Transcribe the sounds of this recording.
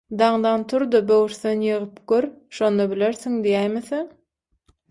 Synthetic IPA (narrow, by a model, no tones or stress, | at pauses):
d̪ɑɴd̪ɑnt̪ʰuɾd̪ɑbøwɾθenjɯʁɯpɡ̥øɾʃo̞nd̪ɑbileɾθiŋd̪ijæjmeθeŋ